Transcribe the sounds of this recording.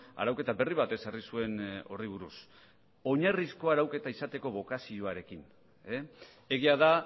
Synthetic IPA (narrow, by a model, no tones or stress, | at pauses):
a̰ɾawke̞t̪abe̞riβ̞at̪e̞sarisue̞no̞riβ̞uɾus | o̞ɲarisko̞aɾawke̞t̪aisat̪e̞ko̞βo̞kasio̞aɾe̞kin | e | e̞ɣiaða